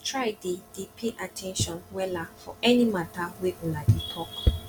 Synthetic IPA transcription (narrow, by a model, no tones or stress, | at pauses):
tʰɹaɪded̥epʰeʔatʰɛ̃nʃɔ̃nwɛlafɔ̰ɛnĩmataweʔuladetʰɔk